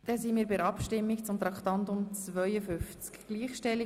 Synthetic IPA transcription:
d̥ɛsimiːɾbɪɾɑpʃtɪmːikt͡sʊmt̪ɾɑkʰt̪ɑnt̪ʊmt͡svœjəfʏft͡skɡ̥liːχʃtɛlːi

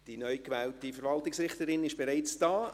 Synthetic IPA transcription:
d̥inœʏkʋɛːltifəɾvɑltɪksɾɪχtəɾɪnɪʃb̥eɾaɪt͡sd̥ɑː

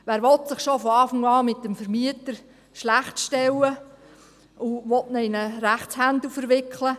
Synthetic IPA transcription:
ʋæːɾʋɔtsɪχʃofɔɑːfaŋɑːmɪtːəmfəɾmiətəɾ | ʃlæχtʃtɛwə | uʋɔtnəɪnəɾæχtt͡shændlufəɾʋɪkʰlə

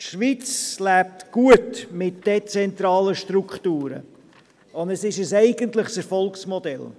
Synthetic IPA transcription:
ʃʋit͡slæːp̚tɡ̥uətmɪt̚d̥et͡sɛnt̪ɾɑːləʃtɾukχtuːɾə̰ | ʊnd̪ɛsɪʃəsɛɪɡəntləχsɛɾfɔlksmɔd̪ɛl

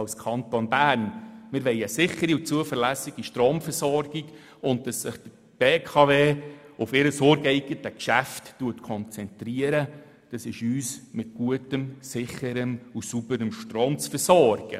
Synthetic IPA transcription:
ɑlskʰɑntonbæːɾnmɪɾʋɛɪəsɪχəɾiut͡suəfəɾlæsɪɡ̥iʃtroːmfəɾsɔrɡiɡ | ʊnt̚d̥ɑsːɪχd̥ə | b̥eːkʰɑveːʊfɪɾəsoɾɡɛɪɡətəkʃæftːuətkʰɔnt͡sɛntriəɾə | d̥ɑsɪʃyːsmɪt̚ɡ̥uətəmsɪχəɾəmusubəɾəmʃtroːmt͡sfəsɔːrɡ̥ə̰

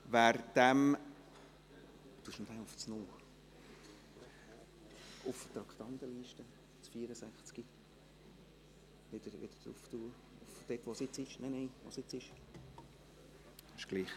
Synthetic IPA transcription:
ʋæːɾd̥̪æm | tuəʃnod̥̪ɛʊft͡snʊː | ʊft̪ɾɑkt̪ɑnt̪əliːʃtə | t͡sfiːɾəsæχt͡ski | ʋɪd̪̥əɾʋɪ̰d̥̪ə̥d̥ɾṵft̪uə | ʊfd̥̪ɛtʋosɪt͡sɪʃnɛnɛɪʋosɪt͡sɪʃ | ɛʃɡ̥liːχ

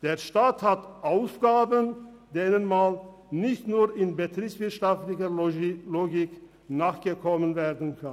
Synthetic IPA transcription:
d̥eːɐʃtaːthatʔaʊsɡ̥aːbən | d̥eːnənman | nɪçtnuːɪnbətʁ̥iːpsv̥ɪɐtʃaftlɪçɐloːɡɪk | naːχɡ̥əkʰɔmənveːɐdn̩kʰan

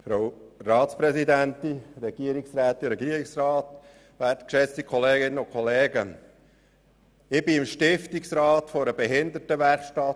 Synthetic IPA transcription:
fɾaʊrɑːtspɾɛsidæntiɾɛɡiəɾiksɾæːt̪ːiɾɛɡiəɾiksrɑːt | ʋæːɾtəkʃɛt͡stikʰɔleːɡɪnːəʊkχɔleːɡə | ɪbɪɪmʃtɪftiksɾɑːt̪fɔɾəbɛɦɪnd̪ətəʋɛɾχʃtɑt

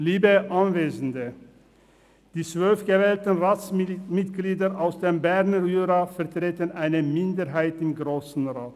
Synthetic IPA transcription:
liːbəʔanveːzn̩də | d̥iːt͡sv̥œlfɡ̥əvɛːltən̩ʁaːt͡smɪtɡ̥liːdɐʔaʊsd̥eːmbɛʁnəʁyːʁafɛɐtʁ̥eːtənʔaɪnəmɪndəʁɦaɪtɪmɡʁoːsn̩ʁaːt

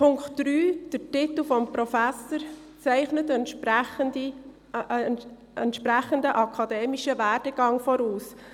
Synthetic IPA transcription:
pʰʊŋktd̥ɾyːd̥ətɪt̪l̩ˠfɔmpɾɔfæsəɾ | t͡sɛɪχnətɛnpdi | ɛntʃpɾæχəndəʔɑkʰɑd̪eːmiʃəvæːɾd̥əɡ̥ɑŋfɔɾuːs

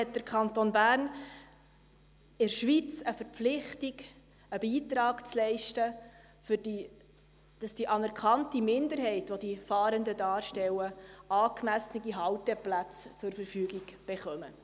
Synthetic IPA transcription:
ɛt̚d̥̪əɾkʰɑntonbæːɾn | ɪɾʃʋit͡səfəɾpflɪχtiɡ | əbiːt̪ɾɑːkt͡slɛɪʃtə | fʏɾdi | d̥ɑsd̥iʔɑnɛɾkχɑntimɪndəɾɦɛɪtʋod̥ifɑːɾəndədɑːɾʃtɛwəɑːkmæsnəɡiɦɑwtɛplæt͡st͡sʊɾfəɾfyːɡiɡ̥b̥ɛχœmə

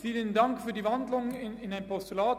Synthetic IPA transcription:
fiːləndɑŋkfyːdiʋɑndlʊŋɪnɛjnpɔstylaː

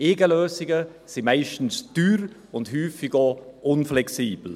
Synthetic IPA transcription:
eːɡəløːsɪɡəsimaɪʃtn̩sd̥yːɾ | ʊntɦyːfɪɡoʔʊnflɛksiːb̥l̩

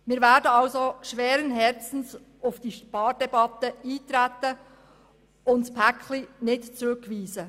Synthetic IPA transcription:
miːɾvɛːdəɑlsoʃʋɛːɾənɦɛɾt͡sn̩s | ʔafd̥iːʃpɑːɾdɛbɑt̪əiːtɾɛtə | ʊntspʰækʰlinɪtt͡sɾʏkviːzə

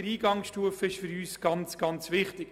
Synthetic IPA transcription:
ɾiːɡɑŋʃtuəfəɪʃfʏɾyːsɡ̥ɑnt͡sɡ̥ɑnt͡sʋɪχtɪk

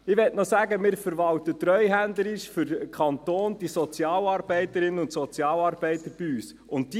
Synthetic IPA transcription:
ɪʋɛtnɔsæːɡəmɪːɾfəɾʋɑwtət̪rœʏɦændləɾɪʃfʏɾkʰɑntoːnd̥isɔt͡sjɑːlɑːɾb̥ɛɪtəɾɪnənʊntsɔt͡sjɑːlɑːɾb̥ɛɪtəɾb̥iyːs | ʊntdi

